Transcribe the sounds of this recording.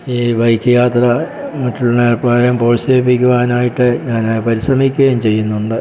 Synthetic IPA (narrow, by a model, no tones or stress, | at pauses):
iːʋɐjkʰːɐjaːt̪rɐ | mɐʈːuɭːɐneːlpaːɾɐmpoːɻsepːikʲːuʋaːnaːjiʈːɨɲaːnajpɐɾisrɐmikʲːɣeɐjmt͡ɕe̞jːunːuɳɖɨ